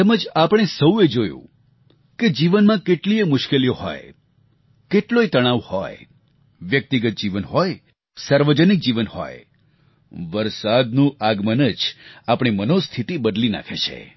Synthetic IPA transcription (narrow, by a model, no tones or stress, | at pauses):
t̪eməd͡ʒapəɽ̃esəwed͡ʒojṵ̃ | ked͡ʒiʋənmãkeʈliemʊʃkelijoɦɔ̰j | keʈloit̪əɽ̃aʋhɔ̰j | ʋjək̚t̪iɡət̪̚d͡ʒiʋənɦɔj | saɾʋəd͡ʒənik̚d͡ʒiʋənhɔ̰j | ʋəɾsad̪nũaɡmənəd͡ʒapɽ̃imənost̪ʰit̪ibəd̪lina̰kʰet͡ʃʰḛ